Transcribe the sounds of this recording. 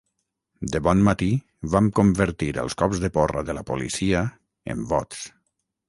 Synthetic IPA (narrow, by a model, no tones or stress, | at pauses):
d̪əβɔnmat̪i | βamkombəɾt̪iɾə̰lˠskɔpzðəpɔrə̰ðələpolḭsiə | ḛmbɔt̪s